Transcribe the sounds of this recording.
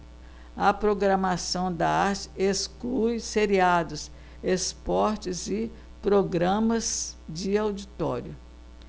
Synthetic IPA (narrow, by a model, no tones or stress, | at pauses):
ɐpɾoɡɾɐmasɐ̃w̃d̪ɐaɾt͡ʃɪ̥esklujseɾiad̪ʊs | espɔɾt͡ʃɪzɪ | pɾoɡɾɐ̃mɐzd͡ʒɪawd͡ʒit̪ɔ̰ɾjʊ